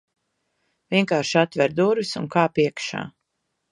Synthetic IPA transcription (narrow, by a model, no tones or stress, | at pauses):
vʲiɛŋkaːɾʃat̪vɛɾd̪uɾvisuŋkaːpiɛkʃa̰ː